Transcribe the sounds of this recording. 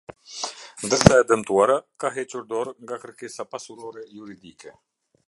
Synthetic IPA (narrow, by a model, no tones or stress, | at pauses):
nd̪əsajad̪əmt̪uaɾəkaɦet͡ʃuɾd̪oɾŋɡakəɾkesapasuɾoɾejuɾid̪ike